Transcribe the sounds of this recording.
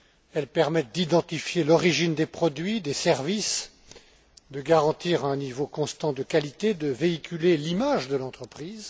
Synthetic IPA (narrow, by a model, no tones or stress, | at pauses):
ɛlpɛʁmɛt̪̚d̪id̪ɑ̃t̪ifjelɔʁiʒind̪epχɔd̪ɥid̪esɛʁvis | d̪əɡaʁɑ̃t̪iʁɛ̃nivokɔ̃st̪ɑ̃d̪əkʲalit̪ed̪əveikʲylelimaʒd̪əlɑ̃t̪χəpχiːz